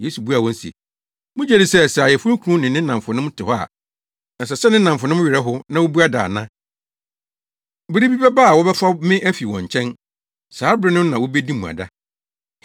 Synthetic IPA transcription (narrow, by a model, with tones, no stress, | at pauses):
je˨˦su˨bu˦a˨wɔ̃˦n̩˦sḭ˨ | mʊ̃˦d͡ʑɛ˨ɾɪ˨sɛ˦˨sjɛ˨fʊ˦ũ˦kʰũ˦nɪ̃˨nɪ̃˦nã˨m˨fʊ˨nʊ̃˦mtʰɪ˨hɔ˦a̰˨ | n̩˨sɛ˨sɛ˦nɪ̃˦nã˨m˨fʊ˨nʊ̃˦m˦ɥɪ˨ɾɛ˦ɦʊ˦nã˦wo˦bu˦a˦da̰ː˨nã˦ | bɪ˦ɾɪ˦bi˦bɛ˦ba˦a˨wɔ˦bɛ˦fa˦mɪ̃˦ʔæ˦fi˨wɔ̰̃˨ɲ˨t͡ɕʰɛ̃˦n | saː˨˦bɾɪ˦nʊ̃˦m˦nã˨wɔ˦be˦dĩ˦mũ˨a̰˨da˦